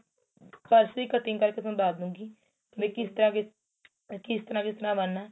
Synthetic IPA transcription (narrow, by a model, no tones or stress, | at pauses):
pəɾsiːkət̪ĩːŋkəɾket̪õːd̪aːd̪ũːɡiː | mẽːkɪst̪əɾãːkɪ | kɪst̪əɾãːkɪst̪əɾãːbənːaː